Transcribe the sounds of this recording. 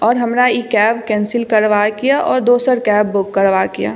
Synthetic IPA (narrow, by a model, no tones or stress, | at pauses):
ɔːɾɦɐmɾaikɛːbkɛ̃ːnsɪlkɐɾʋakijaʔɔːɾd̪oːsəɾkɛːbːʊkːəɾʋakija̰ː